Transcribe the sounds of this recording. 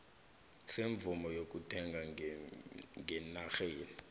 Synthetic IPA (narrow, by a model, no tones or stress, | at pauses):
seɱb̪vumɔjok̬ʼutʰɛŋɡʱa | ŋɡɛnaxeːni